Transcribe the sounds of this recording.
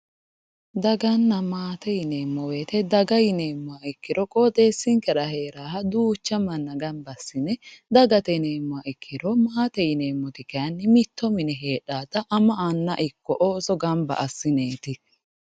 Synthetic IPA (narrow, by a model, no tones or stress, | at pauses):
d̪ɐɡɐnːɐmaːt̪ɛjɪneːmːɔweːt̪ɛd̪ɐɡɐjɪneːmːʊaɪkːɪɾɔkʼɔːd̪e̞ːsːɪŋkɛɾɐhe̞ːɾaːɦɐd̪uːt͡ʃːɐmɐnːɐɡɐmbɐsːɪnɛd̪ɐɡɐt̪ɛne̞ːmːʊaʔɪkʰːɪɾɔmaːt̪ɛjɪne̞ːmːɔt̪ɪkɛɐnːɪmɪt̪ːɔmɪnɛɦe̞ːᶑaːd̪ɐʔɐmɐʔanːɐʔɪkːɔʔoːsɔɡɐmbɐ̰ʔɐsːɪneːt̪ɪ